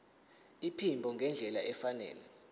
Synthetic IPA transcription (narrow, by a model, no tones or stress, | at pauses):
ipʰimbʱɔŋɡʱɛnd͡ɮʱɛlaʔɛfanḛːlɛ